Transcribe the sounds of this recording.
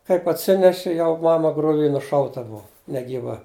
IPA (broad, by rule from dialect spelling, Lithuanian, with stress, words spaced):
kɐɪp ɐtʲˈsʲɪnʲɛʃʲɪ ˈjɛʊ ˈmɑːmɐ ɡrʊˈʋʲiː nʊˈʃɐʊtɐ ˈbʊɐ nʲɛɡʲiːˈʋɐ